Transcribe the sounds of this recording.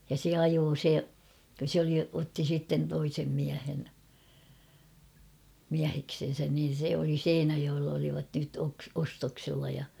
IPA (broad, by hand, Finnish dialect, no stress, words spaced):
jɑ se ɑjoː se sĕ oli otːi sitːen toisem miæhen miæheksen̞sæn niːn̞ se oli seinæjoelː oliʋɑt nyt oks ostoksilːɑ jɑ